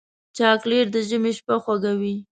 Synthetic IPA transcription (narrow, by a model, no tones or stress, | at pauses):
t͡ʃɑkleɾd̪əʒəmeʃpaxwaɡawi